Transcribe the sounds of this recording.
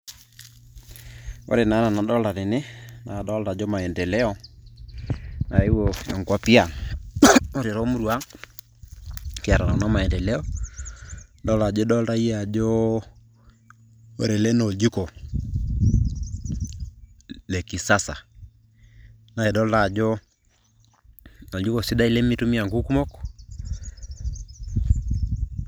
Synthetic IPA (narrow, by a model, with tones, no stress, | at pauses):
o̰˦ɾe˨na˨˦na˨na˨dɔ˦la˨ɾɪ˨ne˦na˨dɔ˦lda˨d͡ʒo˦ma˨ɛ˨ndɛ˨lɛ˦ɔ˦ | na˨˦i˦wo˨ɛ̰˨ŋɡwa˦pi˦a˨ŋ | o˦ɾɪ˨ɾɔ˦mu˦ɾu˨a˦ | kɪ˨a˨ɾa˨ɾa˨na˦ma˨ɛ˨ndɛ˨lɛ˦ɔ˦ | dɔ˦la˨d͡ʒo˦dɔ˦lda˦i˦a˨d͡ʒo˦ | o˨ɾe˨lɛ˦no˨d͡ʒi˦ko˨ | ne˨ki˨sa˦sa̰˨ | na˨e˨dɔ˦la˨d͡ʒɔ˦ | no˨d͡ʒi˦ko˨si˦da˦i˦le˦mi˦tu˦mi˦a˨ŋɡu˦ku˦mo˦k